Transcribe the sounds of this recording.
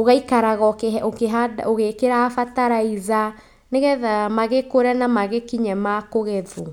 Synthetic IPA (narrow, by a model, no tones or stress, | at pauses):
oɣaikaɾaɣɔkeokeɦadaoɣekeɾafataɾaiza | neɣɛðamaɣekoɾɛnamaɣekiɲɛmakoɣɛðu